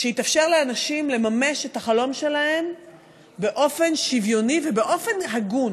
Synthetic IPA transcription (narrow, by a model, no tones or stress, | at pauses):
ʃeitafʃe̞ʁleanaʃimle̞mame̞ʃetaχalo̞mʃe̞lahe̞m | be̞ʔo̞fe̞nʃivjo̞nivebeʔo̞fe̞nhaɡun